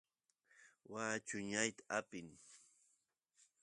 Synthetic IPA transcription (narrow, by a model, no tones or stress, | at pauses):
waːt͡ʃʊɲajt̪ḁapɪŋ